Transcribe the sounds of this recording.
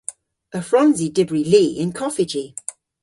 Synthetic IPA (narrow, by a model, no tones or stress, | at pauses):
əfɹɔ̃nzidɪbɹiliːɪ̃nkʰɒfɪd͡ʒi